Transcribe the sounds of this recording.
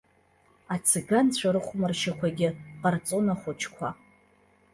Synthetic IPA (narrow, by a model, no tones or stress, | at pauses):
at͡sʰɪɡant͡ɕʷʰaɾɨχʷmɨrʃakʷʰaɡʲɪqart͡sʼonaχʷʊt͡ʃʰkʷʰa